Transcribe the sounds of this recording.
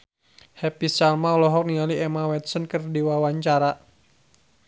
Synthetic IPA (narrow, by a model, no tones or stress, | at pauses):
hɛpisalmaulɔɦɔk̚niŋaliɛmawɛt̪sɔnkərdiwawaɲt͡ʃaɾa